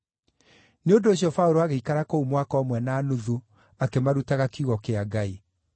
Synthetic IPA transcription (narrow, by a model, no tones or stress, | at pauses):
neondoːɕjɔfauɾoaɣeikaɾakoumwakɔːmwɛnaːnoðo | akemaɾutaɣakiuɣɔkeaɡai